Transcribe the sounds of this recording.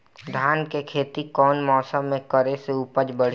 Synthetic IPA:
d̪ʱaːnkekʰeːt̪ikɔːnmɔːsəmːẽkəɾeseupəd͡ʒbəɽ̤

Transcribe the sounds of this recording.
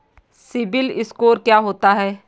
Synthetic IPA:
sɪbɪlɪskoːɾkjaːɦoːt̪aɦɛː

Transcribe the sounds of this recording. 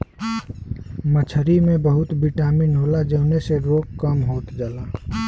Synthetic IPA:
mət͡ʃʰəɾimẽbəɦʊt̪biʈaːminɦoːlad͡ʒəʊneseɾoːkkəmɦoːt̪d͡ʒaːlaː

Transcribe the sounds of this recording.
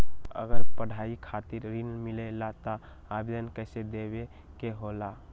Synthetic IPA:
ə̰ɡəɾpəɽ̤aikʰat̪iɾːinmilelat̪a | abed̪ənkəɪsed̪ebe | keɦola

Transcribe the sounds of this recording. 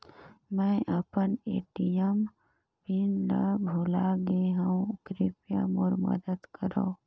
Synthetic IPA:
mɛ̃ʔəpənḛːʈijəm | pinləbʱulaɡeɦə̃kɾɪpjə̰moɾmə̰d̪əd̪kəɾõ̰ː

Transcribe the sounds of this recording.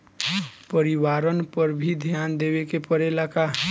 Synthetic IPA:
pəɾiwaɾənpəɾbʱid̪ʱjand̪ebekepəɾelaka

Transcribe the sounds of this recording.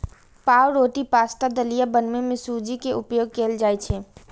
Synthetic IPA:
paːwɾoːʈ̪ipaːst̪ad̪əlijabənmemẽsud͡ʒikeʔʊpjoːɡ̚keːld͡ʒaːet͡ʃʰeː

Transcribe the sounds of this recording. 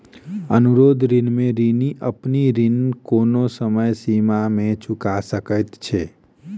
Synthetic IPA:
ənuɾoːd̪ʱɾɪnmẽɾiniʔəpniɾɪnkoːnosəməjsimamẽt͡ʃʊkasəkət̪t͡ʃʰeː

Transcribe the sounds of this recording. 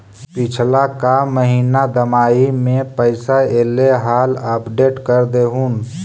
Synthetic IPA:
pɪt͡ʃʰlakaməɦiːnad̪əmaːimẽpəɪsaeːleɦaːləpɖeːʈkəɾd̪eɦuːn

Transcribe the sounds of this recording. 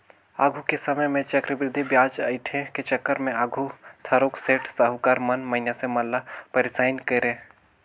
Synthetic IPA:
aːɡʱukesɐməjmẽt͡ʃɐkɾəbɾɪd̪ʱibjaːd͡ʒaɪʈ̪ʰẽket͡ʃɐkːəɾmẽaːɡʱut̪ʰɐɾoːkseːʈʰsaɦukaːɾmɐnmɐɦɪnasemɐlːapɐɾɪsaːɪnkeɾẽ

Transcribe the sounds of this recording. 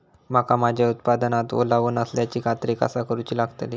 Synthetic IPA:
makamad͡ʑʱjaut̪pad̪ənat̪ʋo̰laʋuːnəsljat͡ɕiːkat̪ɾika̰sakəɾuːt͡ɕiːlaɡt̪əli

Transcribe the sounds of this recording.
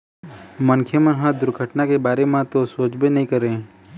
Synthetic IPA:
mənkʰjəmə̃nɦãd̪ʊɾɡʱəʈnakebaːɾemãt̪osoːd͡ʒbenɐɦĩkəɾẽː

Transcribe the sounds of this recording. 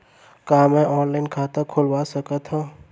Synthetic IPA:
kaːmɛ̃ʔɔːnlaːɪnkʰaːt̪əkʰolwaːsɐkət̪ɦã

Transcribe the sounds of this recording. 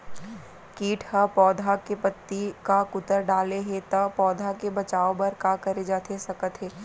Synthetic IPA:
kiːʈʰhɐpɔːd̪ʱakepɐt̪ːikakʊt̪əɾɖaːleɦẽt̪ɐpɔːd̪ʱakebɐt͡ʃaːobɐɾkakɐɾed͡ʒaːt̪esɐkət̪ɦeː

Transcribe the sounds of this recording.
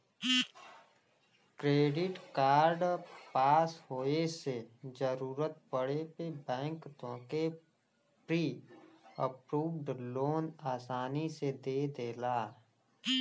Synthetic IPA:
kɾeːɖɪʈkaːɾɖpaːsɦoːesed͡ʒəɾuːɾət̪pəɽepebɛ̃ːŋkt̪õːke | pɾiː | əpɾuːʋɖloːnaːsaːnised̪eːd̪eːlaː

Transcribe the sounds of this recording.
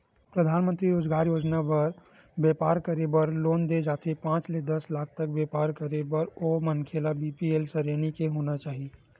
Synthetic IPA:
pɾəd̪ʱaːnmə̃nt̪ɾiɾoːd͡ʒɡaːɾjoːd͡ʒnabɐɾbjɛːpaːɾkɐɾebəɾloːnd̪ed͡ʒaːt̪epãːt͡ʃled̪ɐslaːk̚ʰt̪ɐk̚beːpaːɾkɐɾebəɾoːmənkʰelabiːpieːlsəɾeːnikeɦoːnat͡ʃaːɦie

